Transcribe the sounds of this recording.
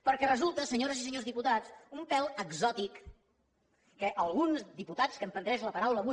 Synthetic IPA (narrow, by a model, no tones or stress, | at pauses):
pəɾkɛrəzulˠt̪əsəɲoɾəzisəɲozðiput̪at͡sumpɛləɡzɔt̪ik | əʔəlˠɣunzd̪iput̪at͡skəmpənd̪ɾɛʃləpəɾawləːβu